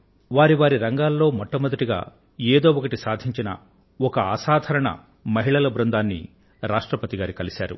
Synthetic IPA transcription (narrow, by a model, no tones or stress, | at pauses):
ʋaːɾiʋaːɾiɾɐŋɡaːlːo̞ːmɔʈːɐmɐd̪ɐʈiɡa̰ː | eːd̪o̞ːʋɔkɐʈisaːd̪ʱiɲt͡ʃinɐ̰ | ɔkɐɐsaːd̪ʱɐɾɐɳɐ̰ | mɐɦiɭɐlɐbɾɐnd̪aːnːḭ | ɾaːʂʈɾɐpɐt̪iɡaːɾikɐlisaːɾṵ